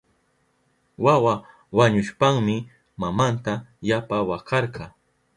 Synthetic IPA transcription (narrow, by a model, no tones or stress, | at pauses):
wawa | waɲʊʃpaŋmɪ | mamant̪ajapawakɑɾɢɑ